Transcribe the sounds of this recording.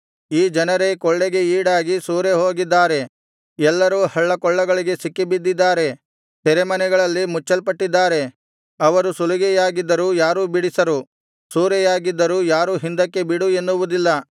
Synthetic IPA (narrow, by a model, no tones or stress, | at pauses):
iːd͡ʒɐnɐɾe̞kɔɭːeɡe̞iːɽaːɡisuːɾeɦo̞ːɡid̪ːaːɾe̞ | ɛlːɐɾuːhɐɭːɐkɔɭːɐɡɐɭiɡe̞sikːibid̪ːid̪ːaːɾe̞ | t̪ɛɾemɐnɛɡɐɭɐlːimut͡ʃːɐlpɐʈːid̪ːaːɾe̞ | ɐʋɐɾusuluɡɛjaːɡid̪ːɐɾuːjaːɾuːbiɽisɐɾu | suːɾɛjaːɡid̪ːɐɾuːjaːɾuːɦind̪ɐkːe̞biɽue̞nːuʋud̪ilːɐ